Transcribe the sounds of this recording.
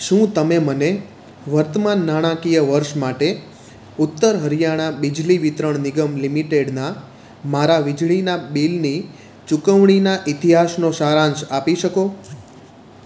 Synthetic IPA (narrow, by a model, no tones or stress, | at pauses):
ʃũt̪əmeməne | ʋəɾt̪əmanːaɽ̃ãkijəʋəɾʃmaʈe | ʊt̪ːəɾɦəɾijaɽ̃abid͡ʒliʋit̪ɾəɳnɪɡəmlimiʈeɖna | maɾaʋid͡ʒɭinabilni | t͡ʃukəʋɳ̃inaʔit̪iɦasnoʃaɾãnt͡ʃapiʃəko